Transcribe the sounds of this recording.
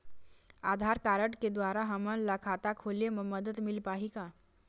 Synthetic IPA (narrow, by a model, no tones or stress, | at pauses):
ad̪ʱaɾkaɾəʈked̪ʋaɾaɦəmənlakʰat̪akʰoleməməd̪ət̪milpaɦika